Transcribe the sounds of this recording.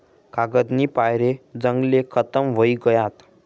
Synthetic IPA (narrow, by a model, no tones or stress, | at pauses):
kaɡəd̪niːpajɾed͡zəŋɡlekʰət̪əmʋoiɡəjat̪